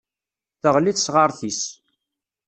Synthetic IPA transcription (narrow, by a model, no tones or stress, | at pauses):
θəʁliθsʁɑɾˤθis